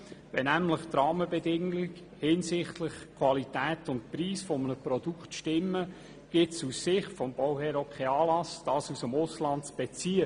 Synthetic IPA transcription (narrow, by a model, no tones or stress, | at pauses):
ʋɛnæmləχt̪ɾɑːməbɛdɪŋɪk | hɪnsɪχtlɪχkʰwɑlitæːtʊnt̚pɾiːsfɔmənəpɾɔd̥uktʃtɪmːə | ɡ̥ɪtsusːɪχtfɔmb̥ɔwhɛːɾokʰeɑːlɑsd̥ɑːsusəmʊslɑntt͡sb̥ɛt͡siə